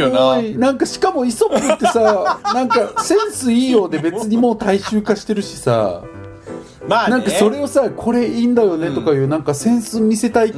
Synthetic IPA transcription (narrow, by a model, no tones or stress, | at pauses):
nãŋkaɕi̥kamo̞iso̞kɯ̟t̪ːe̞sanãŋkasẽ̞ɰ̃sɨiːjo̞ːd̪e̞be̞t͡sɨɲ̟imo̞ːt̪aiɕɨːkaɕi̥t̪e̞ɾɯ̟ɕi̥sa̰ | anãŋkaso̞ɾe̞o̞sakʰo̞ɾe̞iːnd̪ajo̞ne̞t̪o̞kajɯ̟ːnãŋkasẽ̞ɰ̃sɨmʲise̞t̪ai